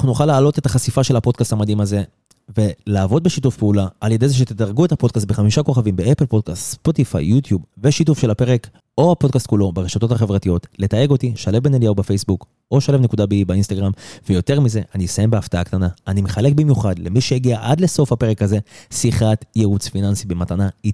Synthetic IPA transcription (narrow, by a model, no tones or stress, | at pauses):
naχnuuχalaːlo̞t̪e̞taχasifaʃe̞lhapo̞d̚kastamadimaze̞ | ve̞laːvo̞d̚beʃitufpeulaʔalje̞dezeʃet̪edaʁɡue̞tapo̞dkas̬t̪̚beχamiʃako̞χavimbeʔaplpo̞dkast̪spot̪ifa̰jːutjubveʃitufʃe̞lhape̞ʁek | o̞hapo̞dkast̪̚kulo̞beʁeʃat̪o̞taχe̞vʁatijo̞tle̞taje̞ɡo̞tiʃale̞vbenelijaubefejsbuk | o̞ʃalevnekudabiibainst̪aɡʁamvejo̞te̞ʁmize̞ʔaniisaje̞mbeaft̪aakt̪anaːnimeχale̞k̚bimjuχadle̞miʃejeɡiaʔadle̞so̞fhape̞ʁe̞kaze̞siχatjeʁut͡sfinansibematanai